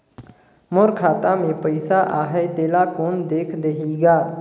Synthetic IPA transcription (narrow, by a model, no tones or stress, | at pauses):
mʊɾkʰaːt̪ãːmẽːpəɪsaːʔaːɦeːd̪eːlaːkoːnd̪eːkʰd̪eɦiːɡaː